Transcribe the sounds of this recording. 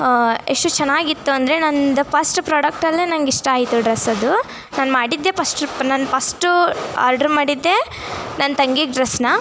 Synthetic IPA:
eʂʈut͡ʃɛnːaːɡit̪ːuɐnd̪ɐɾe̞nɐnd̪ɐpʰɐsʈpɾaːɽɐk̚ʈɐlːeːnɐŋɡiʂʈɐaːjit̪uɖɾesɐd̪u | naːnmaːɽid̪ːe̞ːpʰɐsʈnɐnpʰɐsʈua̰ːɾɖɐɾmaːɽid̪ːe̞ | nɐnt̪ɐŋɡiɡɖɾesnɐ

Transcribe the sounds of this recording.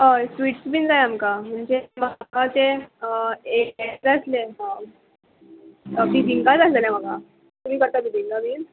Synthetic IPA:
əsʋiːʈsbiːnd͡zajamkam̤əɳd͡ʑeməɡat͡se | ed͡zəsle | biːd̪ʱiŋɡad͡zaslaljam̤əɡa | t̪um̤iːkəɾt̪abiːd̪ʱiŋɡabʱiː

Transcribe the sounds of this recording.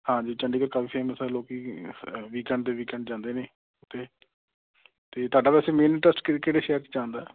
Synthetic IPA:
hãːd͡ʒiːt͡ʃəɳɖiːkəɾkaːbiːpʰɛːməsaloːkiːʋiːkɛ̃ːɳɖd̪eːʋiːkɛ̃ːɳɖd͡ʒãːnd̪eːneː | t̪ːeː | t̪eːt̪ʊaːɖaːpɛːseːmeːnʈəsʈkːkeːɽeːʃɛːɾt͡ʃid͡ʒãːnd̪aː

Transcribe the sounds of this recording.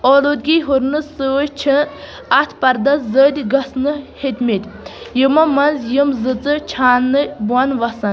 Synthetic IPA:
oːlud̪̚ɡʲiɦuɾnɨsɨt͡ʃʰɨ | ɐt̪ʰpɐɾd̪ɐszəːd̪ʲɡɐsnɨhet̪ʲmʲit̪ʲjɨmɐmɐnzjɨmzɨt͡sɨt͡ʃʰaːnːɨbuɐnʋɐsɐn

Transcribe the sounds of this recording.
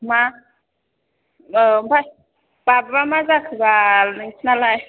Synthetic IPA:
ma | mba | b̥ababamazakʰbaniŋt͡sinalaj

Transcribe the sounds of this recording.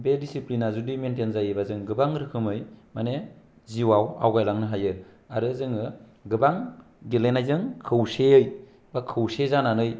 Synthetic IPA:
bedisiplinazudimentenzajɯbazɯŋɡɯbaŋɾɯkʰɯmɯjmane | ziwawa̰wɡajlaŋnɯɦajɯ | aɾɯzɯŋɯ | ɡɯbaŋ | ɡelenajzɯŋkʰɯwseɯj | bakʰɯwsezananɯj

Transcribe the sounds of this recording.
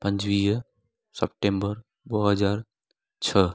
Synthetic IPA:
pə̃nd͡ʒwiː | səp̚ʈẽːmbəɾ | bəɦəd͡ʒaːɾ | t͡ʃʰə

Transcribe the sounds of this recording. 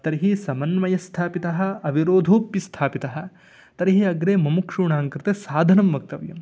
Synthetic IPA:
t̪ɐɾiɦisɐmɐnmɐjɐst̪ʰaːpit̪ɐɦɐ̆ɐʋiɾoːd̪ʱuːpːist̪ʰaːpit̪ɐɦɐ̆ | t̪ɐɾɦiɐɡɾeːmɐmukʂuːɳaːŋkɾɪt̪esaːd̪ʱɐnɐmʋɐk̚t̪ɐʋjɐ̰m

